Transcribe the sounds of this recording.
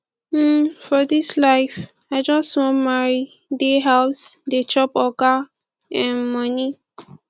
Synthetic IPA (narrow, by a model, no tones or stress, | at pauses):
m̩fɔdislaɪf | ajd͡ʒɔ̃swɔ̃ma | deɦawsdet͡ʃɔpɔka | ɛ̃nmʌni